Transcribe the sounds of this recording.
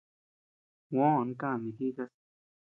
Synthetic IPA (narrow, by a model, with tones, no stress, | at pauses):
wõ˦˨n˦kã˦˨mĩ˨xi˦ka˦˧s